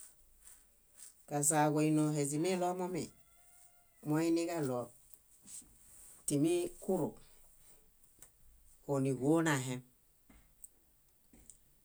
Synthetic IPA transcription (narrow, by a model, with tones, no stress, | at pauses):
ka˨s̬a˨ko˨i˨no˨ɦe˨s̬i˨mi˦lo˦mo˦mḭ˨ | mo˦i˦ni˦ka˦lo˨ | ti˨mi˦ku˦ɾṵ˨ | o˨ni˨ɡo˦na˨ɦe˦m